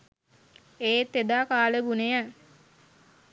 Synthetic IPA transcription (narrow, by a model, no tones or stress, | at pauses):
eːt̪ːed̪aːkaːləbunejə